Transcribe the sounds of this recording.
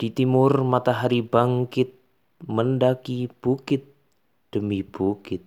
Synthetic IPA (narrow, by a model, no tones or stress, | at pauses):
d̪̥it̪imʊrmat̪aɦaɾibaŋkɪt̪̚ | məndakib̥ukɪt̪̚ | d̥əmib̥ukɪt̪̚